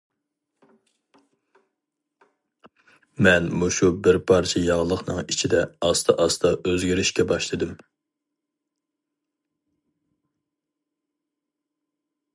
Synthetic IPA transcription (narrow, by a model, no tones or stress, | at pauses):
mɛnmuʃubɪɾpʰɑɾt͡ʃʰɛjɑʁlˠəχnɨŋit͡ʃʰid̪ɛɑst̪ʰɑʔɑst̪ʰɑʔøzɡʲiɾɪʃkʲɛbɑʃlˠɨd̪ɨm